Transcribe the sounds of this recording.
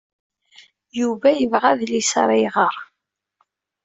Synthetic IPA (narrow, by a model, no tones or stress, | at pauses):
juvæjəvʁæðlisɾˤɪʁəɾˤ